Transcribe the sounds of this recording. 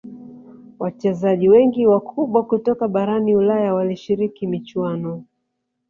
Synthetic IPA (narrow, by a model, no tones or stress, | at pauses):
wat͡ʃɛzaʄiwɛŋɡiwakʰuɓwakutɔkaɓaɾaniulajawaliʃiɾikimit͡ʃwanɔ